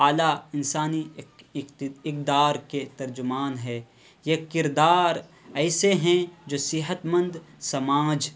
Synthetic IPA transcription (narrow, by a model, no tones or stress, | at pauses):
aːlaɪnsaːni | ɪk̚d̪aːɾket̪ɐɾd͡ʒʊmaːnɦɛː | jekɪɾd̪aːɾ | ɛːseɦɛ̃d͡ʒoːsɪɦət̪mə̃nd̪sɐmaːd͡ʒ